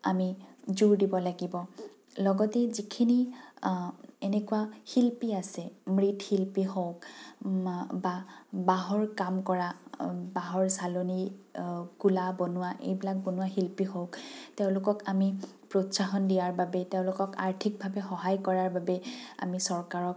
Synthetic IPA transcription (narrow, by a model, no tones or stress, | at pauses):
amizuɹdibɔlaɡibɔ | lɔɡɔtɛzikʰini | enɛkuwahilpiasɛmɹitʰxilpiɦowk | babaɦɔɹkamkɔɹabaɦɔɹsaloni | kulabɔnʊwaʔḛjbilak̚bɔnʊwaxilpiɦokteʊ̃lʊkɔkami | pɹotsaɦɔndijaɹbabɛteʊ̃lʊkɔka̰ɹtʰik̚bʱabɛxɔɦajkɔɹaɹbabɛa̰misɔɹkaɹɔk̚